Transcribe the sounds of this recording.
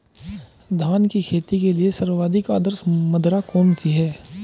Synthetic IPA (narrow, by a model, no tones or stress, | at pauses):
d̪ʱaːnkikʰeːt̪ikeliesɐɾʋaːd̪ʱɪkaːd̪əɾsmɐd̪ɾakɔːnsiɦɛː